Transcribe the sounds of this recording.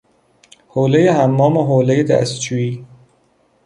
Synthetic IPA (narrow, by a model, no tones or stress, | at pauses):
hoːlejehæmːɒːmeɦoːlejed̪æ̰st̪̚d͡ʒuːiː